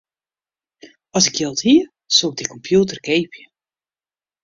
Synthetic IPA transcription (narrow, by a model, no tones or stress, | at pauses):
ɔsɪkjɪlˠthiə | suɡ̚dikɔmpjuːtərkejpʰjə